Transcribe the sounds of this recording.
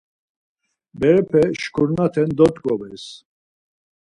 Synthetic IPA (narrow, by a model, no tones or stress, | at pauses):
bɛɾɛpʰɛʃkʰuɾnat̪ʰɛnd̪ɔt̪ʼkʼɔbɛs